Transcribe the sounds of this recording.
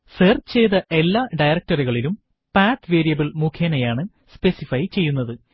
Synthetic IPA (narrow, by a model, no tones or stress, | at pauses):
seːrt͡ɕejðɐʔe̞lːaːɖɐjɾɐk̚ʈɐriɣɐɭilum | paːʈʋeːɾijɐbiɭmukʰjɐnɐjaːɳɨ | spe̞sifɐjt͡ɕe̞jːunːɐðɨ